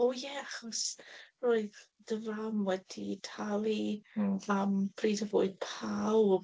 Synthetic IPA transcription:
ɔjɛaχɔsroːɨð | dəvamwɛd̥itʰalˠivamb̥riːdəvoːɨð̥pʰaw

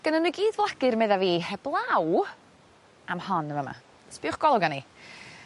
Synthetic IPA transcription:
ɡ̥ənənwujɡiːðvlˠaɡ̥ɨrmeðaviːhɛblˠaw | amhɔnəvəma̰ | spɪʊχɡ̥ɔlˠɔɡani

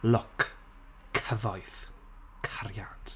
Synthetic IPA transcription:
lɔkʰ | kʰəðɔjθ | kʰaɾjad̥

